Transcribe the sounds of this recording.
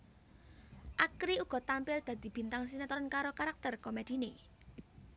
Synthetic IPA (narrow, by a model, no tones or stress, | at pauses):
ʔakɾiuɡ̥ɔ̤t̪ampɪld̪̥a̤d̪̥i̤b̥i̤nt̪aŋs̬inet̪ɔɾənkaɾokaɾak̚t̪ərkomed̪̥i̤ne